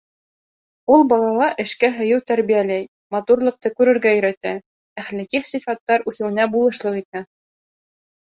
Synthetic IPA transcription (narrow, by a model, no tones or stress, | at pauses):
ulˠbɑlˠɑlˠɑʔɘ̆ʃkæɦɵ̆jɤwt̪æɾβijælæj | mɑt̪uɾlˠɤ̆q̚t̪ɤkʉɾɘ̆ɾɡæjɵ̆ɾæt̪æ | æχlæ̆kiχsifɑt̪ːɑɾʉθɘ̆wɘ̆næbulˠɤ̆ʃlˠɤqit̪æ